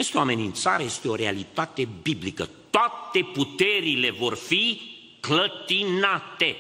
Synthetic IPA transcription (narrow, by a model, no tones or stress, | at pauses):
est̪eoame̞nʲiɨnt̪saɾejest̪eo̞ɾe̞alit̪at̪e̞biblikə̰t̪oat̪e̞put̪e̞ɾile̞vo̞rfi | klət̪inat̪e̞